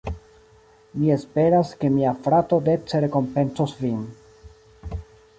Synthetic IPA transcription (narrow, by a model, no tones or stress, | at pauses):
mie̞spe̞ɾaske̞miafɾato̞de̞t͡seɾe̞ko̞mpe̞nsosvin